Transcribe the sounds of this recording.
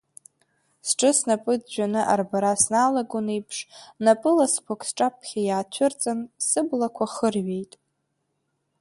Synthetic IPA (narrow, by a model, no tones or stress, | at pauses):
sʈ͡ʂʼɨsnapʼɨd͡zd͡ʒʷᶣanɨʔa̰rbaɾasnaːlaɡonejpʰʂnapʼɨlaspʰokʷʼsʈ͡ʂʼapʰχʲajaːt͡ʃʷʰʊrt͡sʼansɨblakʷʰaχərɥe̞jtʼ